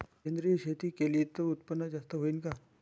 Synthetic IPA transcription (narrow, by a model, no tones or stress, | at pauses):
end̪ɾiɕet̪iːkeliːt̪əut̪pənːəd͡ʑast̪əɦoiːnka